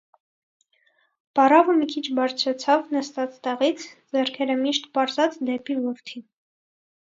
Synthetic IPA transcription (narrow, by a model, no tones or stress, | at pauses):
pɑrɑvəmikʰit͡ʃʰbɑɾt͡sʰɾɛt͡sʰɑvnəst̪ɑt͡st̪ɛʁit͡sʰd͡zɛɾkʰɛɾəmiʃt̪pɑɾzɑt͡sd̪ɛpivɔɾt̪ʰi